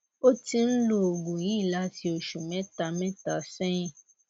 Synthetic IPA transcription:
o˦ti˧n̩˦lo˦o˨ɡu˨jĩ˨˦i˦˨la˦ti˧o˨ʃu˨mɛ̃˦ta˧mɛ̃˦ta˧sɛ̃˦ĩ˦˨

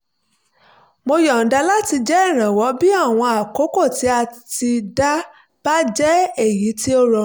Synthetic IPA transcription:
mo˧jɔ˨n̩˨˦da˧la˦ti˧d͡ʒɛ˦ɛ˦˨ɾ̃ã˨wɔ˨˦bi˦a˦˨w̃ɔ̃˧a˨ko˨˦ko˦˨ti˨˦a˧ti˧da˦ | b̥a˦d͡ʒɛ˦e˦˨ji˨˦ti˦o˦ɾɔ˨˦

